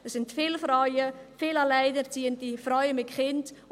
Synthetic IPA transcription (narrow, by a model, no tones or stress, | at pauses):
əssɪntfɪːlfɾajəfiːlalaɪdəɾt͡siːəntifɾɔʏəmɪtχɪnd